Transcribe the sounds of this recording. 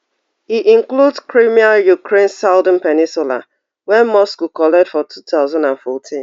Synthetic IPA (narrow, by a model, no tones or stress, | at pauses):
hiʔĩŋkludskɹimiajukɾẽnsaʊdə̃n̩pɛnɪ̃nsʊla̰ | wɛmɔskukɔlɛdfɔtʰutaʊzãndãnfɔtʰĩn